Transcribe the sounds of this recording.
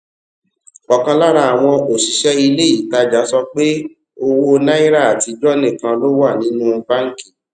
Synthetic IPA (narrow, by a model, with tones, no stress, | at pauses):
ɔ˨kã˧la˦ɾa˧˦a˨w̃ɔ̃˧o˨ʃi˨ʃɛ˦i˧le˦i˦˨ta˧d͡ʒa˨˦sɔ˧k͡pe˦ | o˧wo˧nã˦i˦ɾa˦˨a˨ti˧d͡ʒɔ˦nẽ˦˨kã˧lo˦wa˦˨nĩ˨˦nũ˦ba˦ŋ̩˦ki̥˦˨